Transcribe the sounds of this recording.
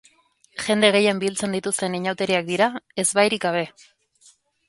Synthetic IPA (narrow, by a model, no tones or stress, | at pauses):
ʝe̞nd̪e̞ɣe̞jembilt͡se̞nd̪it̪ust̪e̞niɲawt̪e̞ɾiak̚d̪iɾae̞zβajɾikɡaβ̞e̞